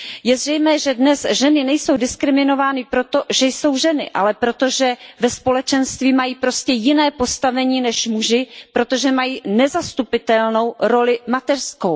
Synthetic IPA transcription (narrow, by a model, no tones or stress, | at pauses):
jɛzrɛjmɛːʒɛdnɛsʒɛnɪnɛjso̞wdɪskɾɪmɪno̞vaːnɪpɾo̞t̪o̞ʒɛjso̞wʒɛnɪ̰ʔa̰lɛpɾo̞t̪o̞ʒɛvɛspo̞lɛt͡ʃɛnst̪viːmajiːpɾoscɛjɪnɛːpo̞st̪avɛɲiːnɛʃmuʒɪpɾo̞t̪o̞ʒɛmajiːnɛzast̪upɪt̪ɛlno̞wɾo̞lɪmat̪ɛrsko̞w